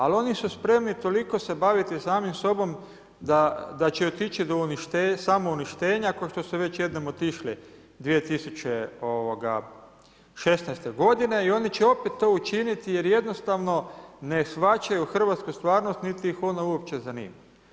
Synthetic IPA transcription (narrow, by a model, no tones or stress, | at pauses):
alo̞nisuspɾe̞mnit̪o̞liko̞se̞baʋit̪isaːmimso̞bo̞m | d̪ad̪at͡ʃeot̪it͡ʃid̪o̞uniʃt̪esamouniʃt̪e̞ːɲakoʃt̪o̞suʋe̞t͡ɕjed̪nomo̞t̪iʃli | d̪ʋije̞t̪isut͡ɕe̞oʋoɡa̰ | ʃe̞snɛjst̪e̞ɡo̞d̪ine̞io̞nit͡ʃeo̞pet̪ːo̞ːut͡ʃinit̪ije̞ɾje̞d̪no̞st̪aʋno̞ne̞sʋat͡ʃajuxr̩ʋat̪skust̪ʋaːɾnost̪nit̪iixo̞nauop̚t͡ʃe̞zanḭːma